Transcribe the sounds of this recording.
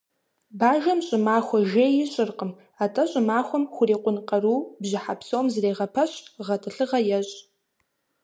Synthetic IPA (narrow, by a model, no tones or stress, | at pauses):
baːʒɐmɕʼɪmaːχʷɔʒeːjɪɕʼɪrqʼəm | atʰʼɐɕʼɪmaːχʷɔmχʷʊriːqʷʼʊnqʼɐɾuːbʑɪħapʰsowmzreːʁɐpʰɐɕʼʁɐtʰɨɬɨʁɐjɛɕʼ